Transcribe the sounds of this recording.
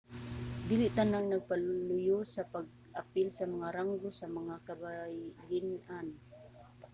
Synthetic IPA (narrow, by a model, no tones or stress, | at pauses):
d̪iːlɪʔt̪anaŋnaɡ̚palʊjʊsapaɡ̚ | ʔapɪlsamaŋaɾaŋɡʊsamaŋakabajlɪnan